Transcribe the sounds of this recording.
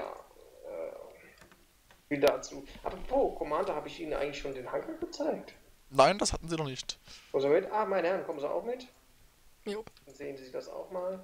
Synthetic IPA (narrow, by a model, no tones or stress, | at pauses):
ja̰ːʔɛ̰ː | fiːldat͡suːʔa̰pʁɔpʰoːkʰɔmaːndohaːbəɪçʔiːnənʔaɪɡŋtlɪçʃoːndeːnhaŋkl̩ɡ̥ət͡saɪk̚tnaɪndashatn̩ziːnɔχnɪçtkʰɔmənzimɪtʔaːmaɪnəhɛnkʰɔmən̩zia̰ʊxmɪt | ʊnz̥eːənziziçdasa̰ʊxmaːl